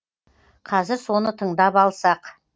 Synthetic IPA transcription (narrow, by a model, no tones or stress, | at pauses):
qʰɑzɪɾso̞nət̪ʰəɴd̪ɑpɑlˠsɑq